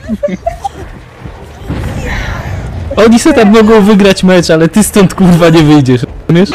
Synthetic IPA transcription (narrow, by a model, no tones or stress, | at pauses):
ɔɲisɛt̪ammɔɡɔ̃w̃vɘɡɾat͡ɕmɛt͡ʂalɛt̪ɘst̪ɔ̃nt̪kuɾvaɲɛvɘjd͡ʑɛʂmʲjɛʂ